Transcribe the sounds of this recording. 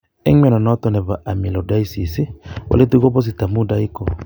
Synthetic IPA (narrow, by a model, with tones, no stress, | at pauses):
ɛ̰˦ŋɛ˦nɔ˨nɔ˦tɔ˦˨nɛ˨ba˨ʔa˨mi˨lɔ˨da˦i˦si˨si˦wa̰˨le˦tu˦ɡɔ˦bɔ˦s̬i˨ta˨mu˦da˦i˦kɔ˨